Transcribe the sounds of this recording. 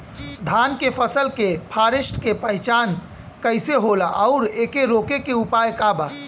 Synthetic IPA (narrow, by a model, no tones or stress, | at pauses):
d̪ʱankepʰəsəlkepʰaɾisʈkepəɦɪt͡ʃan | kəɪseɦolaʔaʊɾekeɾokekeupajkaba